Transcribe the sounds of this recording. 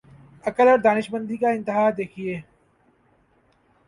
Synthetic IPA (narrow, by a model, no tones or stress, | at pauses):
ɐkəlɔɾd̪aːnɪʃbə̃nd̪ʱikaɪ̃nt̪ɪɦaːd̪eːkʰieː